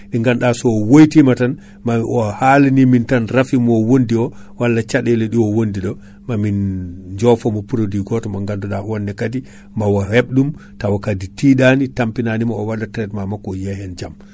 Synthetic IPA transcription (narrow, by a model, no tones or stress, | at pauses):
ɗiŋɡanɗasɔɔwojtimatan | maɔhalinimintanrafimɔwondiɔwalːat͡ʃaɗɛlɛɗiɔwondiɗɔ | mamind͡ʒɔfɔmɔpuɾodiɡɔtɔmaŋɡandɔɗawɔnːɛkadi | mawaheɓ̚ɗumtawakaditiɗanitampinanimaɔwadatɾɛtmamakɔjɛhɛnd͡ʒam